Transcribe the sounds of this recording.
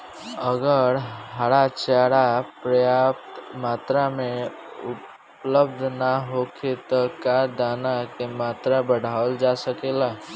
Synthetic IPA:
əɡəɾɦaɽat͡ʃaːɽapɾəjaːp̚t̪maːt̪ɾamẽ | ʊ | pləb̚d̪ʱnaɦokʰet̪ɔkad̪anakemaːt̪ɾabəɽ̤ʱaəld͡ʒasəkela

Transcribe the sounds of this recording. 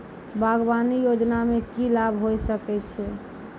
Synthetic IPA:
bʱaɡbanijod͡ʒnamẽkilabɦojsəkɛt͡ʃʰɛ

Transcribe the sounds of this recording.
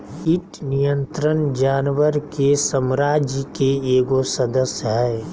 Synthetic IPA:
ɪʈnijə̃nt̪ɾənd͡ʒaːnwəɾkesəmɾaːd͡ʒkeeːɡosəd̪əsjəɦɛː

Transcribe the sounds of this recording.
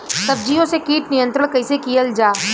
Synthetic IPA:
sɐb̚d͡ʒijõsekiːʈnijə̃nt̪ɾəɽ̃kɐɪsekijəld͡ʒaː

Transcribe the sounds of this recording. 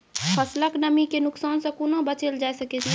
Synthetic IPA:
pʰɐsləknɐmikenʊksaːnsekunabɐt͡ʃəld͡ʒaːesɐketi

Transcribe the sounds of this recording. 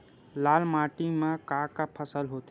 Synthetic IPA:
laːlmaːʈimãkaːkapʰəsəlɦoːt̪

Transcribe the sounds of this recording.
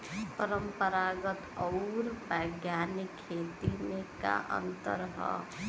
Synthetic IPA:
pʌɾəmpəɾaɡʌt̪ʌwɾbəɡjanikʰːet̪ineka̰ʔʌ̰nt̪ʌ̰ɾɦʌ̰

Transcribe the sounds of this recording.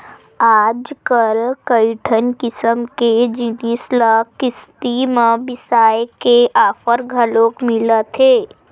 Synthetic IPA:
aːd͡ʒkəlkəɪʈʰənkɪsəmked͡ʒɪnisləkɪst̪imə̃bɪsaːjkeʔaːfəɾɡʱəlõkmɪlət̪ʰɦeː

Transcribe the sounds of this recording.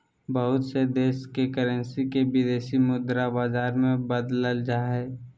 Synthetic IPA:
bəɦʊt̪sed̪eːʃkekəɾənsikebɪd̪eːʃimʊd̪ɾabaːzaːɾmẽbəd̪ləld͡ʒaɦɛː

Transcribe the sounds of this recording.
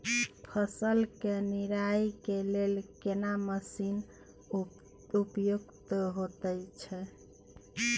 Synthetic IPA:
pʰəsəlkeniɾajkelelkenaməsin | upjukt̪ɦot̪əjt͡ʃʰɛ

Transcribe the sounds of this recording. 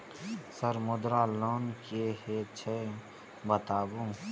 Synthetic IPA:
səɾmʊd̪ɾaloːnkehet͡ʃʰe | bət̪aːbũ

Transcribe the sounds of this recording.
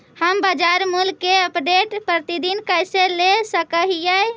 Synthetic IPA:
həmbəd͡ʒaɾmulkeəpɖeʈpɾət̪id̪inkəjselesəkəɦijə

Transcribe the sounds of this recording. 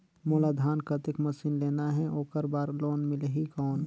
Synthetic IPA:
moːlad̪ʱaːnkɐt̪ɪkmɐsinleːnaɦɛʔoːkəɾbaːɾloːnmɪlɦikɔːn

